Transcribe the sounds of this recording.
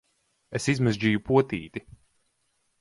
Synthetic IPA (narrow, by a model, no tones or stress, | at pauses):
esizmɨzʲd͡ʒijupuɔt̪iːt̪i